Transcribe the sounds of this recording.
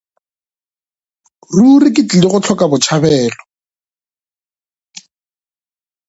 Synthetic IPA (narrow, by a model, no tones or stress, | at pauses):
rurɪkɪt͡ɬɪlɪɣʊt͡ɬʰɔkabʊt͡ʃʰabɛːlɔ